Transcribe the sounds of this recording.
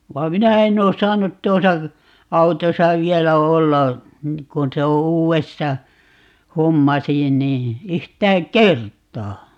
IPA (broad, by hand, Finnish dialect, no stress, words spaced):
ʋɑ minæ enː oː sɑːnut tuosɑ ɑutosɑ ʋielæ olːɑ kun se o uːwestɑ homːɑsi niː yhtæːŋ kˑertˑɑː